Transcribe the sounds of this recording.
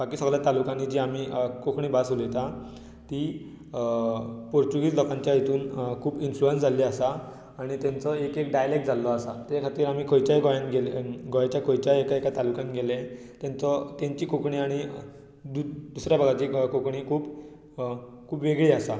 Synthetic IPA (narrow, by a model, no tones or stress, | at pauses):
bakiːsəɡljat̪alukanid͡ʑiːam̤iːkokɳiːbasulet̪a | t̪i | poɾt͡ɕuɡiːd͡zlɔkãɲt͡ɕjajit̪uːnkʰuːbinfluensd͡zʱaliːasaː | ɽ̃it̪ãnt͡sɔekekɖajlek̚ʈ̚d͡zʱalːɔasat̪jakʰat̪iːɾam̤iːkʰojt͡ɕajɡojãnɡelɡɔjat͡ɕjakʰojt͡ɕajekaekat̪alukãnɡelẽ | t̪jãnt͡sɔt̪ãɲt͡ɕiːkokɳiːaɽ̃i | d̪ud̪usɾjabʱəɡʱat͡ɕikokɳiːkʰuːb | kʰuːpʋeɡɭiːasa